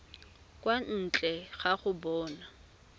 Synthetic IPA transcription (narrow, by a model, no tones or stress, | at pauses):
kʼwan̩t͡ɬʼɛχaχʊbɔːna